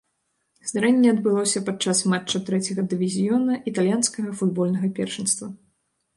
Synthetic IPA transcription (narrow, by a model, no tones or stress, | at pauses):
zd̪ɾɛnʲːɛɐd̪bɨlˠɔsʲɐpat͡ʂːasmat͡ʂːɐt̪ɾɛt͡sʲɐɣɐd̪ɨvʲizʲijɔnɐʔit̪alʲjanskɐɣɐfud̪bɔlʲnɐɣɐpʲɛrʂɨnst̪vɐ